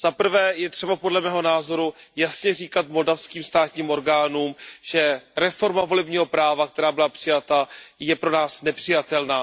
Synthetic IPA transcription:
z̥apr̩vɛːjɛt̪r̥ɛbapo̞dlɛmɛːɦo̞naːzo̞ɾujasɲɛriːkat̪mo̞ldafskiːmst̪aːt̪ɲiːmʔo̞ɾɡaːnuːmʒɛɾɛfo̞ɾmavo̞lɛbɲiːɦo̞pɾaːvak̚t̪ɛɾaːbɪlapr̥ɪjat̪ajɛpɾo̞naːsnɛpr̥ɪjat̪ɛlnaː

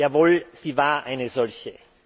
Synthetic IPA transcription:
jaːvoːlz̥iːvaːɐʔaɪnəzɔlçə

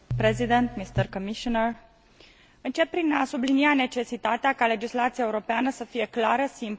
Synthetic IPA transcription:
pɾezid̪ent̪mist̪ərkomiʃonər | ɨnt͡ʃe̞pːɾinasubliniane̞t͡ʃe̞sit̪at̪eakale̞d͡ʒislat̪siae̞uɾo̞peanəsəfije̞klaɾəsimp

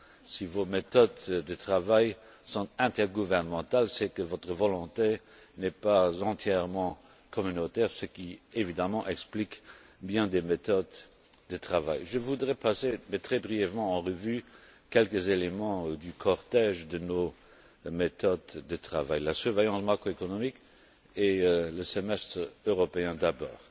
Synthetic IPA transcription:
sivomet̪ɔd̪dət̪χavaj | sɔ̃t̪ɛ̃t̪ɛʁɡuvɛʁnəmɑ̃t̪alsɛkəvɔt̪χəvɔlɔ̃t̪e | nɛpazɑ̃t̪ʰjɛʁmɑ̃ | kʰɔmynot̪ɛʁsəkievid̪amɑ̃ʔɛksplikbjɛ̃d̪emet̪ɔd̪ | d̪ət̪χava̰jʒəvud̪ʁɛpasemɛt̪χɛbʁijɛvmɑ̃ɑ̃ʁəvykɛlkəzelemɑ̃d̪ykʰɔʁt̪ɛʒd̪əno | met̪ɔd̪ːət̪χavajlasyʁvɛjɑ̃smakχoekɔnɔmik | eləsəmɛst̪ʁøʁɔpeɛ̃d̪abɔ̰ːʁ

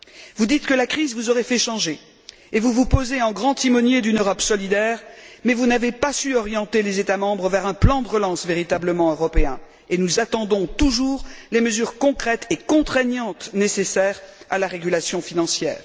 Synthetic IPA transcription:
vud̪it̪kəlakχizvuzɔʁefɛʃɑ̃ʒe | evuvupozeɑ̃ɡʁɑ̃t̪imɔnjed̪ynøʁɔpsɔlid̪ɛːʁmɛvunavepasyɔʁjɑ̃t̪elezet̪amɑ̃bʁəvɛʁɛ̃plɑ̃d̪əʁəlɑ̃sveʁit̪abləmɑ̃øʁɔpeɛ̃ | enuzat̪ɑ̃d̪ɔ̃t̪uʒuːʁleməzyʁkɔ̃kχɛt̪ekɔ̃t̪χɛɲɑ̃t̪nesesɛːʁa̰laʁeɡʲylasjɔ̃finɑ̃sjɛ̰ːʁ

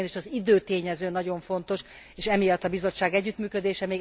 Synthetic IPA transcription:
neʃɒzid̪øːt̪eːɲɛzøːnɒɟo̞ɱfo̞nt̪o̞ʃ | eːʃɛmijɒt̪ːɒbizo̞t͡ʃːaːɡɛɟːyt̪myːkød̪eːʃɛmeːɡ

